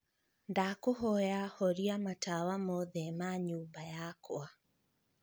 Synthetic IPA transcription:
ndakoɦɔjahɔɾiamatawamoðɛmaɲuːmbajakwa

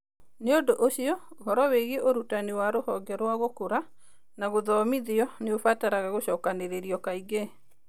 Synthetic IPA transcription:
neodoʔoɕiɔoɦɔɾɔweɣeʔoɾutanewaɾohɔɡɛɾwaɣokoɾa | naɣoðɔːmiðiɔneofataɾaɣaɣoɕɔːkaneɾeɾiɔkaiɡe

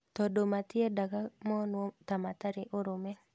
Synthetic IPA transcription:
t̪ɔdomat̪ɪedakamɔnwɔt̪amat̪aɾɪʔoɾome

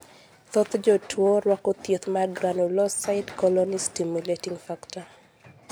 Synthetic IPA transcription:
t̪ot̪d͡ʒɔtʰwoɾwakɔt̪jet̪maɡɾanulɔsaɪdkɔlɔnistimjuletiŋfakta

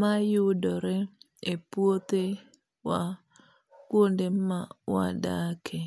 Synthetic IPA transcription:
majʊdɔɾɛ | epwot̪e | wa | kwondemawa̰dakʰe

